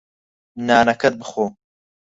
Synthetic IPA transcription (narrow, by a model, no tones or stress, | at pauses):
naːnɐkʰɐt̪̚bɨxoː